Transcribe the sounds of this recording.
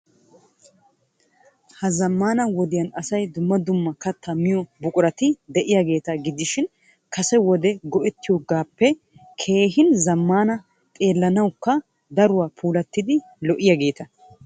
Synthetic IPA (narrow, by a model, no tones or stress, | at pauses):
hɐzɐmːaːnɐwɔd̪ɪjɐnɐsɐjd̪ʊmːɐd̪ʊmːɐkɐt̪ʰːɐmɪjɔbʊkʼʊɾɐt̪ɪd̪ɛʔɪjaːɡe̞ːt̪ɐɡɪd̪ɪʃɪn | kɐsɛwɔd̪ɛɡɔʔɛt̪ːɪjɔɡaːpːɛ | kʰe̞ːɦɪnzɐmːaːnɐ | t̪ʼe̞ːlːɐnɐwkːɐ | d̪ɐɾʊwaːpʰuːlɐt̪ːɪd̪ɪ | lɔʔɪjaɡe̞ːt̪ɐ